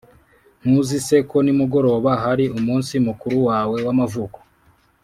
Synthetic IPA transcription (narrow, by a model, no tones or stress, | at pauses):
n̥huzise̞ko̞nimuɡo̞ɾo̞ːβaɦaɾiumuːnsimukuɾuwaːwe̞wamavuːko̥